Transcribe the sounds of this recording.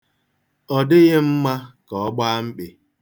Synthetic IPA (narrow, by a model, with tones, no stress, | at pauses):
ɔ˨dɪ˦ɣɪ˦m̩˦ma˦kɔ˨˦ɡ͡ba˦ŋ͡m̩˦k͡pɪ˨